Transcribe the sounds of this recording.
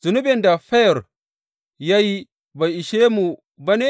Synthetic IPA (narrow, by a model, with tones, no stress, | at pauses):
zu˨nu˦bɪ˨nda˨ɸɛ˦jɔ˨ɾ | ja˦ji˦ | ba˨i˨ʃe˦mu˨ | ba˦ne˦